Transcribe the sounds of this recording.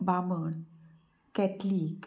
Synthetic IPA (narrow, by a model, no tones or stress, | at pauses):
bamən | kɛtlik